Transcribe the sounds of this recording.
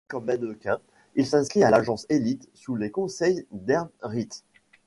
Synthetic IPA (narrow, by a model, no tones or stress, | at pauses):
kɔ̃mbɛd̪əkʲɛ̃ | ilsɛ̃skχialaʒɑ̃selit̪sulekɔ̃sɛjd̪ɛʁʁit̪